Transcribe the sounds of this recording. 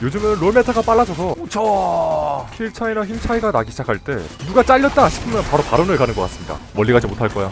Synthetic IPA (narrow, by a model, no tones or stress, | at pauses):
jod͡ʑɯmenɾometʰaɡap͈aɭːad͡ʑʰʌs̬ʰʌot͡ɕʰʌ | çiɭt͡ɕʰainaçimt͡ɕʰaiɡanaɡiɕʰd͡ʑakʰaɭt͈e̞̰nuɡat͡ɕ͈aʎːʌt̚t͈aɕʰi̥pʰɯmjʌnpaɾopaɾonɯɭkanɯnɡʌk͈as͈ɯmɲida̰mʌʎːiɡad͡ʑimotʰaɭk͈ʌjo